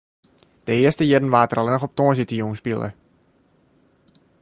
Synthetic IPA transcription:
d̥əɪəstəjɪdn̩ʋaːtəralɛnəxɔp̚toənzitəjuŋspilˠə̰

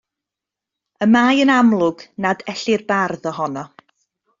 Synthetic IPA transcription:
əmaːjənamlˠʊɡnadɛɬɪrbarðɔɦɔnɔ

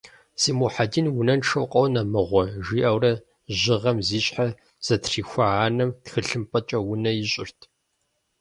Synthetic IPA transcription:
z̥iːmuħadinwʊnɐnʈ͡ʂʰɐwqʼɐwnɐmɨʁʷɔʒiːʔɐwrɐ | ʑɪʁɐmziːɕʼħa | z̥ɐtʰriːxʷɐʕaːnɐmtxɨɬɨmpʼɐt͡ʃʼɐwʊnɐjɪɕʼɪ̰rtʰ

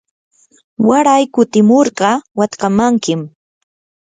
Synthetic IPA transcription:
waɾajkʊt̪ɪmoɾɢɑwat̪kamaŋkɪm

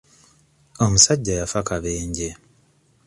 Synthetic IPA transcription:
o̞musaɟːajafakaβeːɲɟe

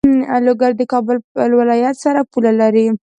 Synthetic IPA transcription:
loɡaɾd̪əkɑbəllwɪlɑjat̪saɾapulalaɾi

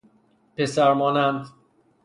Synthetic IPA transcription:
pesæɾmɒːnænd̪

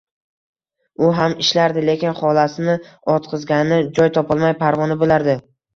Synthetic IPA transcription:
ʊɦamɪʃlaɾd̪ɪle̞kʲɪnχɒlasɪnɪɒt̪̚qʰɨzɡʲanɪd͡ʒɒjt̪ʰɒpɒlˠmajpʰaɾvɒnɪbolaɾd̪ɪ

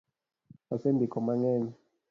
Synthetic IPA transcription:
asembʱikʰɔmaŋɛnɛ

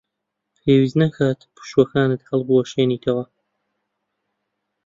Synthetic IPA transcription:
pʰeːwiːznɐkʰaːt̪pʰɨ̥ʃwɐkaːnɨt̪̚hɐlˠbuɐʃeːniːt̪ʰɐwɐ

